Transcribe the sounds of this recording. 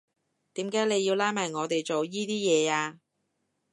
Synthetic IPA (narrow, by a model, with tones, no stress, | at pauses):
t̪iː˨˥mkaː˨˥jle˨˧jiː˧wlaː˨˥jmaː˨˩jŋɔː˨˧t̪e˨jt͡so˨wjiː˥t̪iː˥jɛː˨˧aː˧